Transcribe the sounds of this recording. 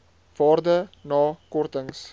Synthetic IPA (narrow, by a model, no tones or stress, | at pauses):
vɑːrdənɑːkɔrtəŋs